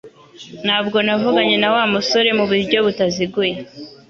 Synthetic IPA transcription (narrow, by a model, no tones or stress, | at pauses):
n̥haːbɡo̞navuɡaɲe̞nawaːmuso̞ɾe̞muβuɾɟo̞βutaziɡuje